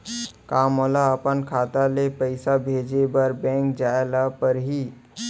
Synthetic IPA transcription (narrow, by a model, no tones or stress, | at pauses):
kaːmolaəpənkʰaːt̪alepəɪsabʱeːd͡ʒebəɾbɛ̃ŋk̚d͡ʒaːelapəɾɦiː